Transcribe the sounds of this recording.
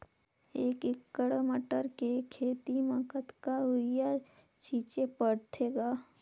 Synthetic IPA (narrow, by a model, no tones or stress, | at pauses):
eːkɪkːəɽməʈəɾkekʰeːt̪iməkət̪kaɦʊɾja | t͡ʃiːt͡ʃepəɽt̪ʰeɡaː